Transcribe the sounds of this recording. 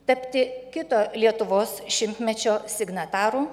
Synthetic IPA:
t̪ɐpʲt̪ʲɪkʲɪt̪oːlʲiɛt̪ʊʋoːsʃʲɪmʲt̪ʲmʲɛt͡ʃʲoːsʲɪɡnɐt̪ɑːɾuː

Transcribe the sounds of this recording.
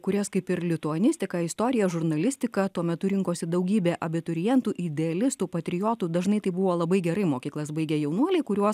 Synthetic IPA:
kʊɾʲɛskɐɪpɪɾlʲɪt̪ʊɐnʲɪsʲt̪ʲɪkɑːɪst̪oːɾʲɪjɛʒʊɾnɐlʲɪsʲt̪ʲɪkɐt̪uɔmʲɛt̪ʊɾʲɪŋkoːsʲɪd̪ɐʊɡʲiːbʲeːʔɐbʲɪt̪ʊɾʲɪjɛnt̪uːʔɪd̪ʲɛɐlʲɪst̪uːpɐt̪ʲɾʲɪjoːt̪uːd̪ɐʒnɐɪt̪ɐɪbʊʋoːlˠɐbɐɪɡʲɛɾɐɪmoːkʲiːklˠɐs̬bɐɪɡʲɛjɛʊnuɔlʲɛɪkʊɾʲuɔs

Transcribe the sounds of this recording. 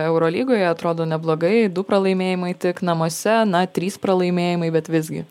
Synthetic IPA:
ɛʊɾoːlʲiːɡoːjɛɐt̪ɾoːd̪oːnʲɛblˠoːɡɐɪd̪ʊpɾɐlˠɐɪmʲeːjɪmɐɪt̪ʲɪknɐmoɔsʲɛnɐt̪ʲɾʲiːspɾɐlˠɐɪmʲeːjɪmɐɪbʲɛt̪ʋʲɪzʲɡʲɪ̰

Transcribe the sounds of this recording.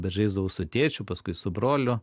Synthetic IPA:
bʲɛʒɐɪzd̪ɐʋɐʊsʊt̪ʲeːt͡ʃʲʊpɐskʊɪsʊbɾoːlʲʊ

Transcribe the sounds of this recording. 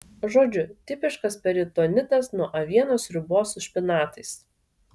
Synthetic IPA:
ʒoːd͡ʒʲʊt̪ʲɪpʲɪʃkɐspʲɛɾʲɪt̪oːnʲɪt̪ɐsnuɔʔɐʋʲiɛnoːsɾʲʊboːsʊʃʲpʲɪnɑːt̪ɐɪs

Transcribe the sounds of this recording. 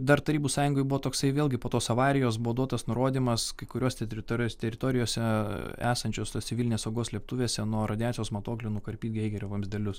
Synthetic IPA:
d̪ɐɾt̪ɐɾʲiːbuːsɑːjʊŋɡoɪbʊʋoːt̪oːksɐɪʋʲeːlʲˠɡʲɪpoːt̪oːsɐʋɑːɾʲɪjoːs̬bʊʋod̪uɔt̪ɐsnʊɾoːd̪ʲiːmɐskɐɪkʊɾʲoːsʲt̪ʲɛɾʲɪt̪oːosʲt̪ʲɛɾʲɪt̪oːɾʲɪjoːsʲɛæːsɐnʲt͡ʃʲoːsosʲɪʋʲilʲɪnʲeːsɐʊɡoːsʲlʲiɛp̚t̪ʊʋʲeːsʲɛnuɔɾɐd̪ʲɪjɑːt͡ssʲɪjoːsmɐt̪oːklʲɪnʊkɐɾʲpʲiːt̪ɡʲɛɪɡʲɛɾʲoʋɐmʲzd̪ʲɛlʲʊs

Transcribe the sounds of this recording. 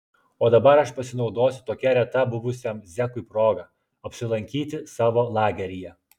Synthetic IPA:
oːd̪ɐbɐɾɐʃpɐsʲɪnɒʊd̪oːsʲʊ̥t̪oːkʲɛɾʲɛt̪ɐbʊʋʊsʲɛmzʲɛkʊɪpɾoːɡɐ | ɐpʲsʲɪlˠɐŋʲkʲiːt̪ʲɪsɑːʋoːlˠɑːɡʲɛɾʲɪjɛ

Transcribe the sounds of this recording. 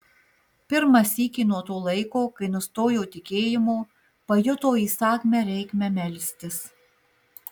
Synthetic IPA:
pʲɪɾmɐsʲiːkʲiːnuɔt̪oːlˠɐɪkoːkɐɪnʊst̪oːjoːt̪ʲɪkʲeːjɪmoː | pɐjʊt̪oːiːsɑːkʲmʲɛɾʲɛɪkmʲɛmʲɛlʲsʲt̪ʲɪs

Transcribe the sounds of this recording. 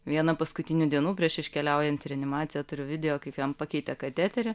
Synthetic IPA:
ʋʲiɛnɐpɐskʊt̪ʲɪnʲʊd̪ʲiɛnuːpʲɾʲiɛʃɪʃʲkʲɛlʲɛʊjɛnʲt̪ʲɪɐnʲɪmɑːt̪sʲɪjɛt̪ʊɾʲʊʋʲɪd̪ʲɛjoːkɐɪpjɛmpɑkʲɛɪt̪ʲɛkɐt̪ʲæːt̪ʲɛɾʲɪ

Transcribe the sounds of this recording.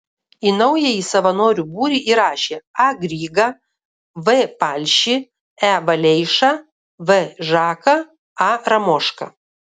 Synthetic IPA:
iːnɐʊjɛisɐʋɐnoːɾʲuːbuːɾʲiːʔiːɾɑːʃʲeːɑɡɾʲiːɡɐ | ʋɨpɑlʲʃʲɪ | æʋɐlʲɛɪʃɐ | ʋɛʒɑːkɐ | ɑɾɐmoːʃkɐ̰

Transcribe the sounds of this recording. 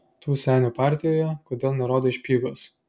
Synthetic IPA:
t̪uːsʲæˑːnʲuːpɑˑɾʲt̪ʲɪjoːjɛkoːd̪ʲeːlˠnʲɛɾoːd̪oːɪʃʲpʲiːɡos

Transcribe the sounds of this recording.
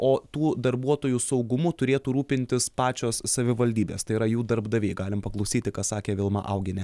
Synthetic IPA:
oːt̪uːd̪ɐɾbuɔt̪oːjusɐʊɡʊmʊt̪ʊɾʲeːt̪uːɾuːpʲɪnʲt̪ʲɪspɑːt͡ʃʲoːssɐʋʲɪʋɐlʲd̪ʲiːbʲeːst̪ɐɪiːɾɐjuːd̪ɐɾbd̪ɐʋʲeɪɡɑːlʲɪmpɐklˠɐʊsʲiːt̪ʲɪkɑːsɑːkʲeːʋʲɪlˠmɑ̰ʔɐʊɡʲɪnʲɛ

